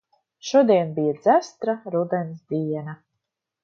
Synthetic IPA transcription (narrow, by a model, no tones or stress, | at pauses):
ʃuɔd̪iɛnbijad̪zæst̪ɾaɾud̪ɛnsd̪iɛna